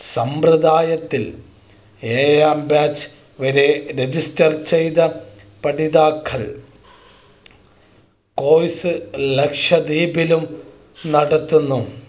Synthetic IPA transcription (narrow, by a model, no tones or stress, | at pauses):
sɐmprɨd̪aːjɐt̪ːil | eːjaːmbaːt͡ɕ | ʋɐɾeɾed͡ʑistɐrt͡ɕejd̪ɐ | pɐɽiðaːkʰːɐɭ | ko̞ːjsɨlekʂɐd̪iːbilum | nɐɽɐt̪ːunːu